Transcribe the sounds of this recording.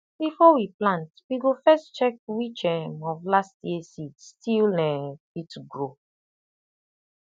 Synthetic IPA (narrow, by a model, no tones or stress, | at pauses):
bifɔwiplãntwiɡofɛstt͡ʃɛk̚wit͡ʃɛ̃mɔvlastjɛsitstʰilnɛ | ituɡɹo